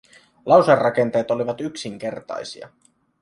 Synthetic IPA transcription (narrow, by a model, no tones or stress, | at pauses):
lɑwserːɑk̟e̞nt̪e̞ːt̪o̞liʋɑt̪yksiŋk̟e̞rt̪ɑ̰jsḭɑ̰